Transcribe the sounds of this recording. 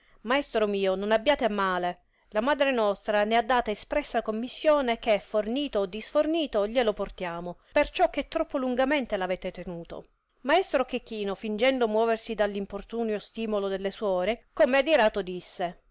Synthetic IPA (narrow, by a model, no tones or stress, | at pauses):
maɛst̪ɾomiːononabːjaːt̪eamːaːle | lamaːd̪ɾenɔst̪ɾanead̪ːaːt̪aespɾɛsːakomːisːjoːnek̟eɛfːorniːt̪oːd̪ːisforniːt̪oʎeloport̪jaːmopert͡ʃɔk̟ːet̪ːɾɔpːoluŋɡament̪elavɛːt̪et̪enuːt̪o̰ | maɛst̪ɾok̟ekːiːnofind͡ʒɛnd̪omwɔːversid̪alːimport̪uːnjost̪iːmolod̪elːeswɔːɾekomead̪iɾaːt̪od̪isːe